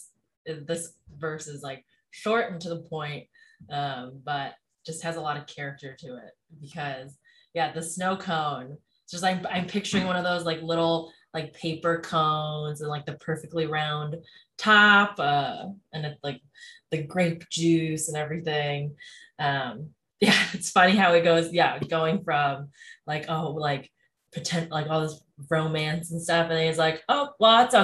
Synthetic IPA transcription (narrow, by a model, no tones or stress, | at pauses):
ɪðɪsvɜ˞sɨzlaɪk̚ | ʃɔɹʔn̩tʰɨðəpʰɔ̃ɪ̃nt̚ʌ̃mb̥ʌt̚ | d̥ʒ̥ʌst̚hɨzəlɔɾʌv̥kʰɛɹɨk̚tə˞ɾɨɪ̰t̚b̥ɨkʰʌz | jæðɨsnoʊkʰõʊ̃n | d̥ʒ̥ʌstãɪ̃mãɪ̃mpʰɪk̚t͡ʃə˞ɪ̃ŋwʌ̃ñʌvðoʊzlaɪklɪɾl̩ˠ | laɪk̚pʰeɪpə˞kʰõʊ̃nzɨ̃nlaɪk̚ðɨpʰɜ˞fɨk̚tˡliɹãʊ̃ndtʰɑpʌɨ̃nɨtslaɪk̚ | ðɨɡɹeɪp̚d̥ʒ̥ʉsɨ̃nɛvɹiθɪ̃ŋ | ʌ̃m | jæɨtsfʌñihaʊɨt̚ɡ̥oʊzjæɡoʊɪ̃ŋfɹʌ̃mlaɪkoʊlaɪk | pʰɨtʰɛ̃nlaɪkɔlˠðoz | ɹõʊ̃mæ̃nsn̩stʌfɨ̃nɪzlaɪkoʊwɑtsʌ